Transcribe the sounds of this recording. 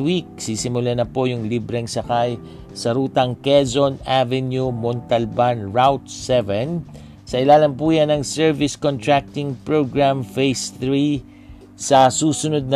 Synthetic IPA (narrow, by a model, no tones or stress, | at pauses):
wik̚siːsɪmʊlanɐpo̞jʊŋlibɾɛŋsɐkaj | sɐɾuːt̪ɐŋkɛzonavɛnjumont̪ɐlbanɹawt̪sɛvɛn | sɐʔɪlaːlɐnpuːjanɐŋsɛɹvɪskont̪ɹak̚t̪ɪŋpɹoɡɹamfejsθɹi | sɐsuːsʊnod̪̚nɐ